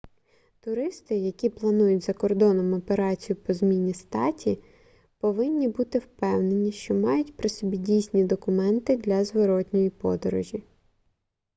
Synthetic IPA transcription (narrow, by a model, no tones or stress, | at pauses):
t̪ʊɾɪst̪ɪjɐkʲiplˠɐnujʊtʲzɐkɔrd̪ɔnɔmɔpeɾɑt͡sʲijʊpɔzmʲinʲːist̪ɑtʲi | pɔʋɪnʲːibut̪ɪwpɛwnenʲiʃt͡ʃɔmɑjʊtʲpɾɪsɔbʲidʲijsʲnʲid̪ɔkʊmɛnt̪ɪd̪lʲɐzʋɔɾɔt̪ʲnʲɔjipɔ̰d̪ɔɾɔʒʲi